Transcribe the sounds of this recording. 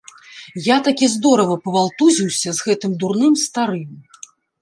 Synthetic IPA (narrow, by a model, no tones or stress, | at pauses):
jat̪akʲizd̪ɔɾɐvɐpɐvalˠt̪uzʲiwsʲɐzɣɛt̪ɨmd̪urnɨmst̪aɾɨm